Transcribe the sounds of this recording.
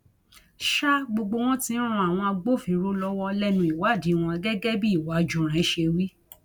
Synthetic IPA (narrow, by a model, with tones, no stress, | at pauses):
ʃa˦ɡ͡bo˧ɡ͡bo˧w̃ɔ̃˦tĩ˦ũ˧˦a˨w̃ɔ̃˧a˧ɡ͡bo˦˨fĩ˧˦ɾo˦lɔ˦wɔ˧lɛ˦nũ˧˦i˨wa˨˦˨di˨˦w̃ɔ̃˧ɡɛ˦ɡɛ˦bi˦i˦˨wa˨˦d͡ʒũ˨ɾ̃ɛ̃˨˦ʃe˧wi˦